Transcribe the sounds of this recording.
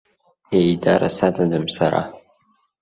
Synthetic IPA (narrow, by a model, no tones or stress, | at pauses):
eidaɾʔa̰satadɨmsaɾa̰